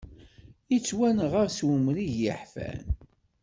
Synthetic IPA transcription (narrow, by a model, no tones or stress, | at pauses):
it͡sːwænʁaɾswumɾiʝjəħfæ̰n